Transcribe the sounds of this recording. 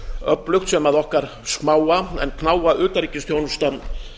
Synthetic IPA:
œplʏxt̪sɛmaðɔhkaɾ̥ | skmaːwaɛ̰nkʰnaːwaʔʏːt̪aɾicɪst̪jownʏst̪a

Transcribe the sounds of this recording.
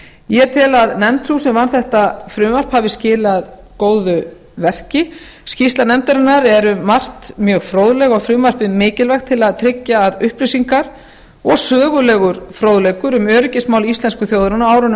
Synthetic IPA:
jɛt̪ʰɪlaðnɛmt̪suːsɛmvanθɛht̪afɾʏːmar̥phavɪscɪːlɪað | koːwðʏ | vɛr̥cɪ | scist̪lanɛmt̪aɾɪnːaɾɛɾʏːar̥t̪mjœːɣfɾoːwðlɛɣɔɣfɾʏːmar̥pɪðmɪːcɪlvɛxt̪ʰɪlaðt̪ʰɾɪcːaːðʏhplisiŋkaɾ | ɔɣsœːɣʏlɛɣʏɾ̥fɾoːwðlejkʏɾʏmœːɾʏcɪsmaːwlist̪lɛnskʏθjowðɾanaaːwɾʏn

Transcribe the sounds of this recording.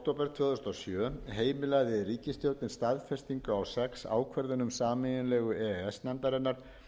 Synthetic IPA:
k̚t̪owpɛɾ̥t̪ʰvœːðʏst̪asjœːɦeːjmɪlaɣðɪriːcɪst̪jowt̪nɪnst̪aðfɛst̪iŋkʏawsɛksa̰ːwkʰvɛɾðʏnʏmsaːmɪjɪnlɛːɣʏɛɛsnɛnt̪aɾɛnːaɾ̥

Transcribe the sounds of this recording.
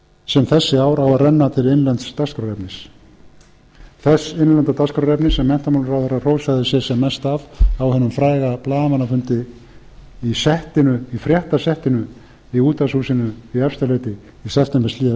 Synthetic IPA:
sɛmθɛsːɪaːwɾawarɛnːat̪ʰɪlejnlɛnt̪st̪askɾɔɾɛpnɪs | θɛsejnlɛnt̪at̪askɾɔɾɛpnɪsːɛmːɛn̥t̪amawlɾawθɛrːar̥oːwsaðɪsjɛ̥sɛmːɛst̪avawhɛnʏmfɾaːjɣaplaːðmanːafʏnt̪ɪ | isɛht̪ɪnʏifɾjɛht̪asɛht̪ɪnʏ | iuːt̪asusɪnʏiɛfst̪alɛjt̪ɪ | isɛft̪ɛmpɛsliːða

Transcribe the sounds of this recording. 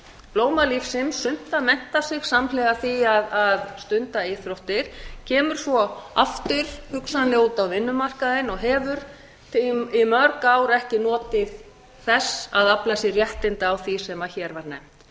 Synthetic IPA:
ploːwmalifsɪmsʏn̥t̪amɛn̥t̪asɪɣsamlɛːɣaθiaðaðst̪ʏnt̪aɪθɾowht̪ɪɾ̥cʰɛːmʏɾ̥svɔa̰ft̪ʏɾ̥hʏksanlɪuːt̪awvɪnːʏmar̥kaðɪnɔɣɦɛvʏɾ̥ | t̪ʰimœɾkawɾɛhcɪnɔːt̪ɪð | θɛsaðaplasjɛɣrjɛht̪ɪnt̪awθisɛmaçɛːɾvaɾnɛ̰m̥t̪

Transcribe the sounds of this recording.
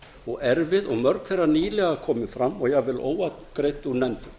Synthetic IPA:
ɔɣɛɾvɪðɔɣmœɾk̪θejrːaniːlɛɣaakʰɔːmɪnfɾamːɔɣjɛɣvɪlo̰ːwatkɾejt̪uɾnɛnt̪ʏ

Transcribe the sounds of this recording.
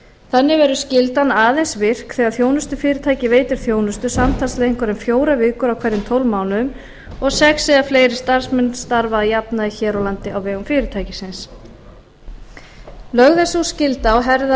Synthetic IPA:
θanːɪvɛɾʏscɪlt̪anaːðejnsvɪr̥kθɛːɣaɾθjoːwnʏst̪ʏfɪːɾɪt̪ʰaːjcɪveːjt̪ɪɾ̥θjoːwnʏst̪ʏsamt̪ʰanslɛɣɪŋ̥kʰvɛɾɪmfjoːwɾavɪːkʏɾawkʰv̥ɛɾðɪmt̪ʰowlvmaːwnʏm | ɔɣsɛksːɛɣafleːjɾɪst̪aɾ̥smɛnːst̪aɾvaðajapnaðiçɛːɾɔwlant̪ɪawvɛːɣʏmfɪːɾɪt̪ʰaːjcɪsɪns | lœɣðɛsuscɪlt̪aɔɦɛɾða

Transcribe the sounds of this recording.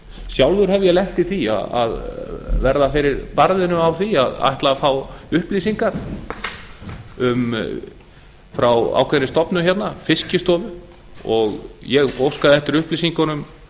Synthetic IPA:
sjawlvʏɾ̥hɛvʏjɛlɛht̪ɪθia̰a̰ðvɛɾðafɪɾɪɾpaɾðɪnʏmawθiaða̰jht̪lafaːwʏhplisiŋkaɾ̥ | ʏm | fɾawa̰ːwkʰvɛnːɪst̪ɔpnʏçɛt̪nafɪscɪst̪ɔːvʏ | ɔɣjɛɣowskaðɪɛht̪ɪɾʏhplisiŋkanʏm

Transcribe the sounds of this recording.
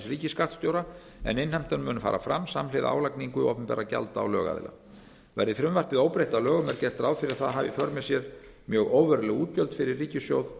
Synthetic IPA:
sriːcɪskar̥t̪st̪jowɾa | ɛ̰nɪnhajm̥t̪anmʏːnʏfa̰ːɾʔa̰fɾamsamlɪːðaaːwlakniŋkʏɔ̰hpɛmpɛ̰ːɾaca̰lt̪a̰ːwlœ̰ːɣa̰ðɪ̰la̰ | vɛɾðɪfɾɪmvar̥pɪðoːwpɾejht̪alœːɣʏmɛɾ̥cɛr̥t̪ɾawfɪɾɪɾ̥θaðɦaːvɪfœɾmɛsjɛɾ | mjœːɣoːwvɛɾʏlɛɣuːt̪jœlt̪fɪɾɪrːiːcɪsjowð

